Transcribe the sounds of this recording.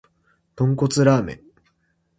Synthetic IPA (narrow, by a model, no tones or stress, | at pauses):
t̪õ̞ŋko̞t͡sɨɾaːmḛ̃